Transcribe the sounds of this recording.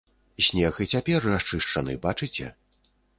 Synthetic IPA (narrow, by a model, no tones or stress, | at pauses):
sʲnʲɛɣɨt͡sʲapʲɛrrast͡ʂɨʂt͡ʂɐnɨ̰bat͡ʂɨt͡sʲɛ̰